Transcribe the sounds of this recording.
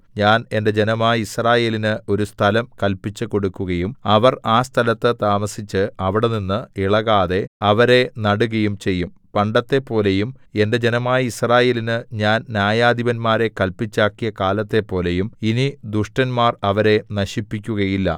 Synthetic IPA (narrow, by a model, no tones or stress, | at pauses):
ɲaːne̞nde̞d͡ʑe̞nɐmaːjisraːje̞ːlinɨʔo̞ɾust̪ʰɐlɐmkɐlpit͡ɕːɨko̞ɽukːuɣɐjumɐʋɐraːst̪ʰɐlɐt̪ːɨt̪aːmɐsit͡ɕːɨɐʋiɽe̞ninːɨiɭɐɣaːðe̞ɐʋɐɾe̞nɐɽuɣɐjumt͡ɕe̞jːum | pɐɳɖɐt̪ːe̞pːo̞ːle̞jume̞nde̞d͡ʑe̞nɐmaːjɐisraːje̞ːlinɨɲaːnnjaːjaːd̪iʋɐnmaːɾe̞kɐlpit͡ɕːaːkːijɐkaːlɐt̪ːe̞pːo̞ːle̞juminid̪uʂʈɐnmaːrɐʋɐɾe̞nɐɕipːikʲːuɣɐjilːɐ̰